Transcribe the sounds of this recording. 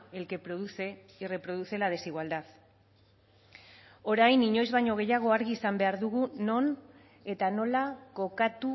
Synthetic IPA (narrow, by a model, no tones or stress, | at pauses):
e̞lke̞pɾoðuse | ire̞pɾo̞ðuse̞lað̞e̞siɣwald̪at̪ | o̞ɾajniɲo̞jzβajɲo̞ɣ̞e̞jaɣ̞o̞aɾɣiːsambe̞aɾðuɣuno̞n | e̞t̪ano̞lako̞kat̪u